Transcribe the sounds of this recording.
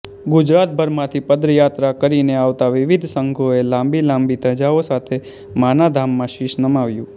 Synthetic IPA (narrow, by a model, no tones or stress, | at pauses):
ɡʊd͡ʒɾat̪̚bʱəɾmãt̪ʰipəd̪ɾəjat̪ɾakəɾineaʋt̪aʋɪʋid̪ʱsəŋɡʱoelãmbilãmbit̪əd͡ʒaosat̪ʰe | manad̪ʱamːãʃiʃnəmaʋjũ